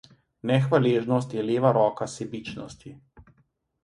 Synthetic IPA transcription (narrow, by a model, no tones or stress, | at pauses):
nɛxʋaleːʒnɔst̪jɛleːʋaɾɔːkasɛbit͡ʃnɔst̪i